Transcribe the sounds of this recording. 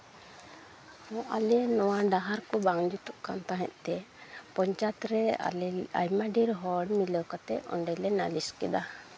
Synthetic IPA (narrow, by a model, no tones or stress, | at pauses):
mɔ̃ʔa̰lɛnɔwaɖaɦaɾkɔbaŋd͡ʒut̪uʔkant̪aɦɛ̰̃ʔ̪̚ˀt̪ɛpɔɲt͡ʃat̪ɾɛ | a̰jmaɖiɾɦɔɽmiləwkat̪ɛ̰ɔ̰ɳɖɛlɛna̰liskɛd̪a